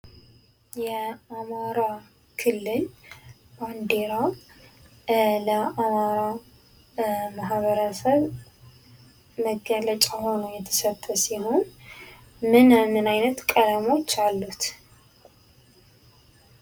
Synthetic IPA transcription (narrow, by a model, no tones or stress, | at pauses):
jɛamaɾa | kʰɨlːɨl | b̥and̪eɾa | ləamaɾa | mahβəɾəsəβ | məɡːələt͡ʃʼaho̞nujɛt̪ʰə̥sət̪ʼːəsiho̞n | mɨnmːɨnajnət̪kʼəd̪amo̞t͡ʃːalːut̪